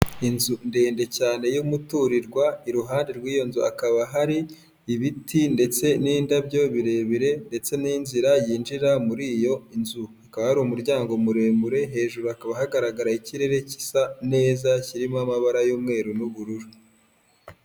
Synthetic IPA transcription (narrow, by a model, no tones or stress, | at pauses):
inzundeːnde̞caːne̞jumutuɾiɾɡwaiɾuɦaːnde̞ɾɡwiːjo̞nzua̰kaβaɦaɾiː | βitinde̞t͡se̞niːndabɟo̞βiɾe̞ːβiɾe̞nde̞t͡se̞niːnziɾajiːnd͡ʒiɾamuɾiːjo̞inzuakaβahaɾiumuɾɟaːŋɡo̞muɾe̞ːmuɾe̞ɦe̞ːʒuɾuakaβahaɡaɾaɡaɾaiciɾe̞ɾe̞ci̥sane̞ːzaciɾimamaβaɾajuːmŋe̞ːɾunuβuɾuɾu